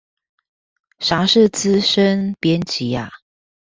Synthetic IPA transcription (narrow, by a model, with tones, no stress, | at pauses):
ʂa˨˥ʂ̩˥˨t͡sɹ̩˦ʂə˦npjɛ˦nt͡ɕi˨˦a˨˩